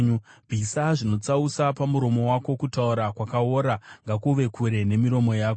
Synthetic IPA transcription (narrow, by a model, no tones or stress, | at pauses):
ɲubʱisaʐino̞t͡sausapamuɾo̞mo̞wako̞kutauɾakwakaoːɾaŋɡakuʋe̞kʰuɾe̞ne̞miɾo̞mo̞jaːko